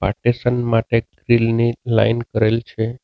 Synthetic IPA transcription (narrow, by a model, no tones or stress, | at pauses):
pa̰ʈisənmaʈeɡɾilnila̰inkəɾelt͡ʃʰe